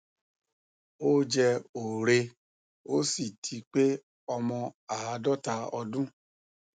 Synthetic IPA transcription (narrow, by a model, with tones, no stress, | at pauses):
o˦d͡ʒɛ˧o˨ɾe˧ | o˦si˦˨tʰi˧k͡pe˦ | ɔ˧mɔ̃˧a˨a˧dɔ˦ta˧ɔ˧dũ˦